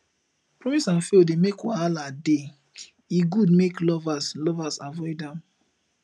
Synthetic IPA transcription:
pɹɔmisãnfedemekwaalade | iɡud̚meklɔvaslɔvasavɔɪdãm

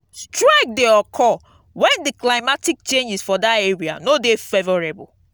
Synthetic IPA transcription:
stɹaɪk̚deɔkʰɔ | wɛ̃ndiklaɪmatik̚t͡ʃẽnd͡ʒisfɔdateɹia̰nodefevɔɹebɔ̰l

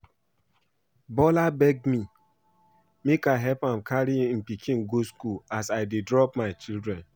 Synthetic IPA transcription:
bɔlabɛɡ̚mi | mekaɦɛpamkʰaɾim̩pikʰĩnɡoskulasaɪdedɾɔpmaɪt͡ʃildɾɛ̃n

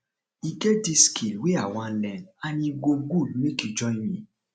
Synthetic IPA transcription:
iɡediskilwiaw̃ɔ̃lɛ̃anĩɡoɡuĩkid͡ʒɔimĩ

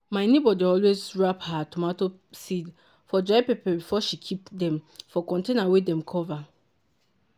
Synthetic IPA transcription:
maɪnebɔdiɔlwezɹaphatomato | sid | fɔd͡ʒɔɪpipɛbifɔʃikʰipdɛ̃mfɔkɔ̃ntẽnawedɛ̃mkʰɔva

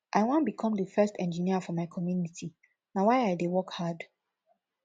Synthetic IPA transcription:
ʔaɪwãnbikʰɔ̃mdəfɜstɛ̰̃nd͡ʒiniəfɔmaɪkʰɔmjunitʰi | nawaɪaɪdewɔkhad

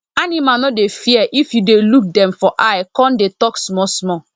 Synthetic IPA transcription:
animanɔdefiɛʔifjudeluk̚dɛ̃mfɔʔajkɔ̃ndetɔksmɔsmɔ

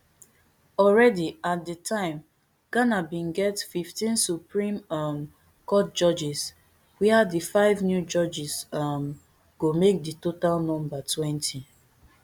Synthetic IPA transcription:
ɔlɹɛdiat̚dətʰãɪ̃m | ɡ̥anabĩnɡɛtfiftĩnsupɹĩmm | kɔt̚d͡ʒɔd͡ʒis | wɛadifaɪvnjud͡ʒɔd͡ʒism | ɡ̥omek̚ditotalnɔ̃mbatʰwɛ̃ntʰi

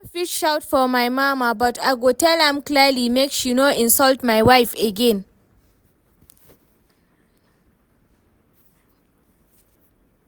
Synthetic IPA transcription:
fitʃawtfɔmajmamabatʰaɡotɛlhãmklɛlimekʃinoʔɪ̃nsɔltmajwajfɛɡɛ̃n

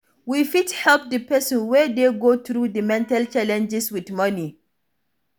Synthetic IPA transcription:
wifithɛlp̚dəpɛsɔ̃nwɛdeɡoːtɾudəmɛ̃ntalt͡ʃalɛ̃nd͡ʒɪswidmʌni

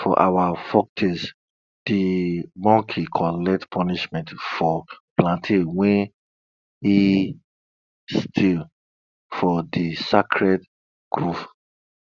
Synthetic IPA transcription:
fɔ̰ʔawafɔk̚tʰis | d̥imɔkʰikʰɔlɛk̚tpʰɔniʃmɛ̃ntfɔplãntʰewɛ̃n | i | stʰil | fɔdisakʰɹɛd | ɡ̥ɹuf

